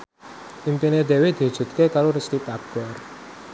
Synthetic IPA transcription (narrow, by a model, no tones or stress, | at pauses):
ʔimpined̪ewed̪̥iɦud̥ʒ̥ṳt̪̚kekaɾoɾəst̪ip̪aɡ̥ɔr